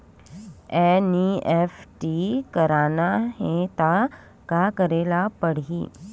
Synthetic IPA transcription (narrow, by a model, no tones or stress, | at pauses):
eniefʈikəɾaːnaɦẽt̪a | kakəɾelapəɽ̤iː